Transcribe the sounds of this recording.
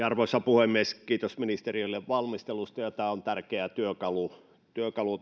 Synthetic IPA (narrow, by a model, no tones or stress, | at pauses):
ɑrʋoˑisːɑpuhemːˑieskiːt̪osminist̪erioilːeʋʋɑlmist̪elust̪ɑjot̪æont̪ærkeæt̪yøkɑlu | t̪yøkɑlu